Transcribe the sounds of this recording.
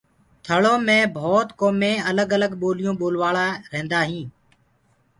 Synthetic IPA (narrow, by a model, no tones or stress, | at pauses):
t̪ʰəɭoːmẽːbʱoːt̪koːmẽːələɡələɡɓoːlɪjõːɓoːlʋaːɭaːɾẽːnd̪aːɦĩː